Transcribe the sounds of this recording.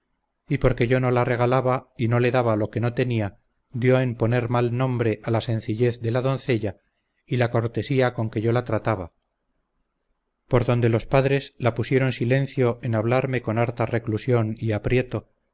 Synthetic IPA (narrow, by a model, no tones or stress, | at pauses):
ipo̞ɾke̞ʝo̞no̞lare̞ɣ̞alaβaino̞le̞ðaβalo̞ke̞no̞t̪e̞nia | d̪jo̞e̞mpo̞ne̞ɾmalnõ̞mbɾe̞ʔalasẽ̞n̟θiʎe̞θd̪e̞laðo̞nθe̞ʎa | ilako̞ɾt̪e̞siako̞ŋke̞ʝo̞lat̪ɾat̪aβa | po̞ɾðo̞nd̪e̞lo̞spaðɾe̞slapusje̞ɾo̞nsilẽ̞n̟θjo̞ʔenaβ̞laɾme̞ko̞naɾt̪are̞klusjo̞niapɾje̞t̪o̞